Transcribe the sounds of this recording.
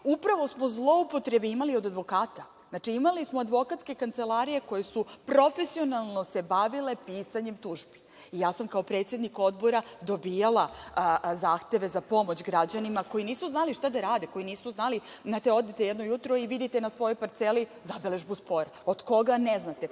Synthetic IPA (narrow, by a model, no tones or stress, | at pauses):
upɾaʋo̞smo̞zlˠo̞upot̪ɾe̞beimalio̞d̪ad̪ʋo̞kaːt̪a | znaːt͡ʃiimalismoad̪ʋo̞kat̪ske̞kant̪selˠaɾije̞ko̞jesupɾo̞fe̞sio̞nalˠno̞se̞baʋile̞piːsaɲemt̪uʒbi̥ | ijaːsamkaopɾe̞t̪sje̞d̪niko̞d̪bo̞ɾad̪o̞bijalˠa | zaːxt̪e̞ʋe̞zapo̞mo̞t͡ɕɡɾad͡ʑanimako̞jiniːsuznaliʃt̪ad̪aɾaːd̪eko̞jiniːsuznali | nat̪eo̞d̪et̪ejɛd̪nojut̪ɾoiʋid̪it̪enasʋo̞jo̞jpaɾt̪selizabeleʒbuspo̞ɾod̪ko̞ɡaneznat̪e